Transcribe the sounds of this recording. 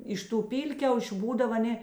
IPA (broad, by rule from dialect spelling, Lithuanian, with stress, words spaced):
ˈɪʃ ˌtuː ˈpʲiːlʲkʲɛʊʃʲʊ ˈbuːdɐw ɐˈnʲeː